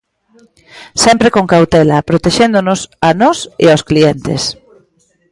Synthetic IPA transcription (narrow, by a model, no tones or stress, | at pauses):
sɛmpɾekoŋkawt̪ɛlɐpɾot̪eʃend̪onʊsanɔsḛawsklient̪ḛs